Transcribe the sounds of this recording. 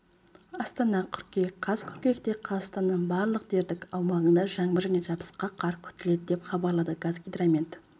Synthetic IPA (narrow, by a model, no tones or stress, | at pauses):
ɑst̪ɑnɑkʲʰʏɾkʲekqʰɑz̥kʲʰʏɾkʲe̞kt̪e̞qʰɑst̪ɑnːəɴbɑɾlˠəqd̪e̞ɾd̪ɪkʲɑwmɑʁənd̪ɑʒɑɴbəʒæne̞ʒɑbə̥sqɑqʰɑɾkʲʰʏ̥t̪ɪle̞d̪ɪd̪epχɑbɑɾlˠɑd̪əɡazɡʲid̪ɾamʲent̪